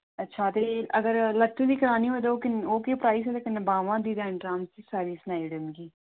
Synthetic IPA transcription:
ətːʃʰaːt̪eːəɡəɾlət͡ʃːõːd̪iːkəɾaːniːɦoːd̪oːkɪoːkepɾaːiːs̬eːt̪eːkɪnbaːʋãːd̪iːd̪aːɪɳʈɾãːmsisaːɾiːsnaːiːɖɪmɡiː

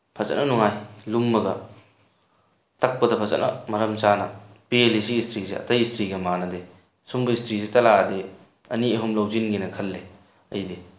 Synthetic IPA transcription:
pʰɐzɐ̰nʔɐnuŋajlumːɐɡɐ | tɐk̚pɐdɐpʰɐzɐ̰nʔɐ̰mɐɾɐmt͡ʃanɐ | pielisiistʰɾiseɐ̰tɐjistʰɾiɡɐmanɐde | sumbɐistʰɾisitɐlaɐde | ɐniɐɦumlɐwzinɡinɐkʰɐlːe | ɐ̰jdi

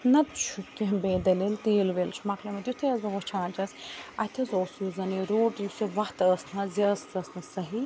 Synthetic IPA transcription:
nɐt̪t͡ʃʰukebeːd̪ɐlilt̪eːlʋelt͡ʃʰmɐklɐmɐd̪ʲjut̪ʰɐjɐzɐʋot͡ʃʰãːnt͡ʃɐsɐt̪ʰɐzoːsuzɐniɾoːʈjusiʋɐht̪əːsnɐziəszɐsnɐsɐɦi

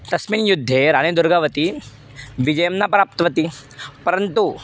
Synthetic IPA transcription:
t̪ɐsminjud̪ʱːeɾañed̪uɾɡaʋət̪i | ʋid͡ʒɐjəmnapɾaːp̚t̪ʋət̪ipɐɾənt̪u

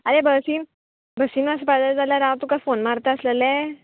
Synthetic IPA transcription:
aɾebʱəsiːn | bʱəsiːnʋaspad̪əɾd͡zaljaɾãt̪ukafonmaɾt̪aəsləlɛ

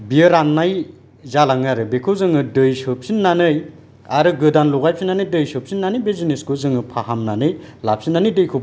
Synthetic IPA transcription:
biɯɾanːaj | zalaŋaɾɯbekʰɯwzɯŋɯdɯjsɯp̚sinːanɯj | aɾɯɡɯdanlɔɡajpsʰinːanɯjdɯjsɯp̚sinːanɯjbezineskuzɯŋɯpʰaɦamnanɯjlap̚sinːanɯjdɯjkʰɯb

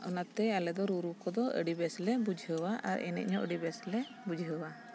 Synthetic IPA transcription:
ɔ̰nat̪ɛalɛd̪ɔɾuɾukɔd̪ɔə̰ɖibɛslɛbud͡ʒʱɦəwaʔa̰ɾɛ̰nɛ̰ʔ̚ɲɔʔə̰ɖibɛslɛ | bud͡ʒʱɦəwa

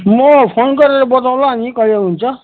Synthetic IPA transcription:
mʌpʰonkʌɾeɾʌbʌt̪aw̃laɦanikʌjeɦunt͡sʰʌ

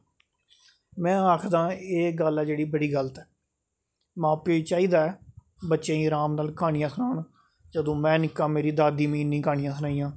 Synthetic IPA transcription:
mɛ̃ːaːkʰd̪ãːeːɡəlɛːd͡ʒeːɽiːbəɽiːɡəlt̪ɛː | mãːpeːt͡ʃaːiːd̪aːɛː | bətːʃẽːĩːɾaːmnaːlkʰaːɽ̃ijãːsənaːn | d͡ʒəd̪õːmɛ̃ːnɪkːãːmeːɾiːd̪aːd̪iːmẽːɪnːĩːkaːɳ̃ɪjãːsənaːiːãː

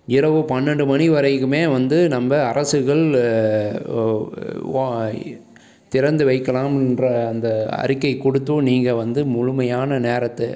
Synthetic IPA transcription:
ɪɾɐʋɯpɐnːɛɳɖɯmɐniʋɐɾɐɪkːɯmeːʋɐnd̪ɯnɐmbɐɐɾɐsɯɣɐɭ | t̪ɪɾɐnd̪ɯʋɐɪkːɐlaːmɪndrɐːnd̪ɐɐ̰ɾɪkːɐɪkːɔɽɯt̪ːɯniːŋɡɐʋɐnd̪ɯmʊɻʊmɐjaːnɐneːɾɐt̪ːɯ

